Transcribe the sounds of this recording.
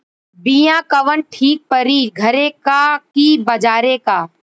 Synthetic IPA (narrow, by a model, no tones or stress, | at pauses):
bijãːkɐʋənʈʰiːk̚pəɾiːɡʱɐɾẽkakibɐd͡ʒaːɾekaː